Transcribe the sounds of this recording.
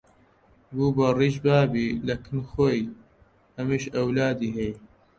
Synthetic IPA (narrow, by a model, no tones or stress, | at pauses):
buːbɐriːʃbaːbilɐkʰɨnxoːj | hɐmiʃɐwlaːd̪iːɦɛj